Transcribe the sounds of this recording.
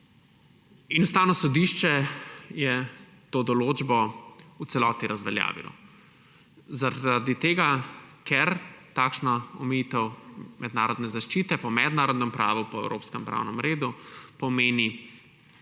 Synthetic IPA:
inust̪aːwnɔsɔd̪iʃt͡ʃɛjɛ | t̪oːd̪ɔloːd͡ʒbɔut̪sɛlɔːt̪iɾazʋɛlja̰ːʋḭlɔ̰ | zaad̪it̪eːɡakɛɾt̪aːkʃnaɔmɛjit̪ɛwmʔɛd̪naːɾɔd̪nɛzaʃt͡ʃiːt̪ɛpɔmɛd̪naːɾɔd̪nɛmpɾaːʋupɔɛ̰wɾo̰ːpskɛmpɾa̰wnɛmɾeːd̪upɔmeːni

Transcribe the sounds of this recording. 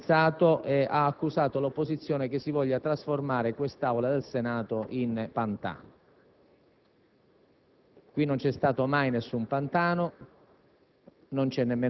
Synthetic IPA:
t̪saːt̪oʔeʔaːkːusaːt̪olopːozit̪sːjoːnek̟esːivɔʎːat̪ɾasformaːɾekwest̪awlad̪elsenaːt̪oʔinpant̪a̰ːn | kwinːont͡ʃɛst̪aːt̪omajnesːumpant̪aːno | nont͡ʃɛnːemːeː

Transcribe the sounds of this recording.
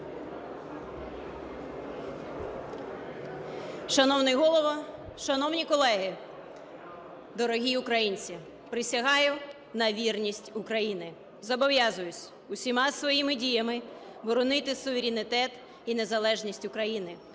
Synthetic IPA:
ʃɐnɔwnɪjɦɔlˠɔʋɔʃɐnɔwnʲikɔlˠɛɦɪ | d̪ɔɾɔɦʲiʊkɾɐjinʲt͡sʲi | pɾɪsʲɐɦɑjʊ | nɐʋʲirnʲisʲtʲʊkɾɐjinɪ | zɐbɔʋjɑzʊjʊt͡sʲ | ʊsʲimɑsʋɔjimɪdʲijɐmɪ | bɔɾɔnɪt̪ɪsʊʋeɾʲɪnɪt̪ɛt̪ | inezɐlˠɛʒnʲisʲtʲʊkɾɐjinɪ

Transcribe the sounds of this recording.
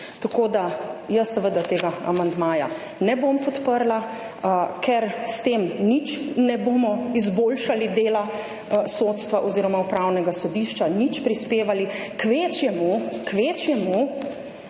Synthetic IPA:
t̪akod̪ajəsːɛʋəd̪at̪eːɡaa̰mand̪maːja̰ | nɛbompɔt̪pəɾla | kʰɛɾst̪eːmnit͡ʃnɛboːmɔizboːlʃalid̪eːla | sot̪st̪ʋaʔɔziːɾɔmaupɾawnɛɡasɔd̪iʃt͡ʃanit͡ʃpɾispeːʋalikʋet͡ʃjɛmukʋet͡ʃjɛmu

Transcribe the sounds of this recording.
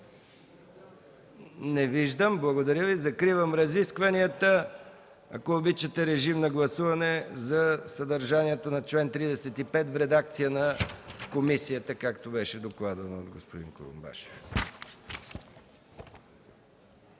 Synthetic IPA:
nɛviʒd̪əmblˠɐɡod̪ɐɾʲjəvizɐkɾivəmɾɐziskvɐniət̪ə | ɐ̰koːbit͡ʃət̪ɛɾɛʒimnɐɡlˠɐsuvɐnɛzɐsɐd̪ɐɾʒaniɛt̪onɐt͡ʃlɛnt̪ɾid̪ɛsɛt̪ipɛt̪vɾɛd̪ak̚t̪sijənɐkomisijət̪əkakt̪obɛʃɛd̪oklˠad̪ɐnod̪ɡospod̪ḭŋko̰ɾṵmba̰ʃɛ̥f

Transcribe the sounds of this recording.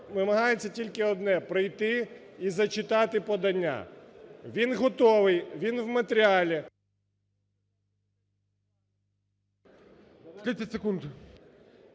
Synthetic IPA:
nɪmɐɦɑjet͡sʲːɐtʲilʲkɪɔd̪nɛpɾɪjt̪ɪ | izɐt͡ʃɪt̪ɑt̪ɪpɔd̪ɐnʲːa̰ʋʲinɦɔt̪ɔʋɪjʋʲinʋmɐt̪eɾʲɪalʲi | k̪ʲit͡sʲɐtʲsekund̪

